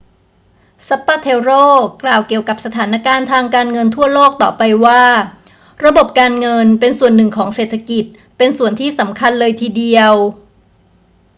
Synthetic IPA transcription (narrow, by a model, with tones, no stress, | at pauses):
sa˧˦˥pːaː˥˩t̪ʰeː˧wɾoː˥˩klaː˨˩wki˨˩əwka˨˩p̚sa˧t̪ʰaː˩˦na˧˥˩kaː˧nt̪ʰaː˧ŋkaː˧nŋɤ˧nt̪ʰu˥˩əloː˥˩k̚t̪ɔː˨˩pa˧jwaː˥˩ | ɾa˧bo˨˩p̚kaː˧nŋɤ˧npe˧nsu˨˩ənːɯ˨˩ŋkʰɔː˩˦ŋseː˨˩t̪ʰːa˧ki˨˩t̪̚ | pe˧nsu˨˩ənt̪ʰiː˥˩sa˩˦mkʰa˧nlɤː˧jt̪ʰiː˧di˧əw